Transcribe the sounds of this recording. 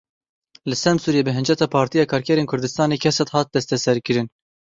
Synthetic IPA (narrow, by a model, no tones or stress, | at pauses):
lɨsɛmsuːɾijeːbɨɦɨnd͡ʒɛt̪ɑːpʰɑːɾt̪ijɑːkʰɑːɾkʰɛɾeːnkʰʊɾd̪ɨst̪ɑːneːkʰɛsɛt̪hɑːt̪̚d̪ɛst̪ɛsɛɾkɨɾɨn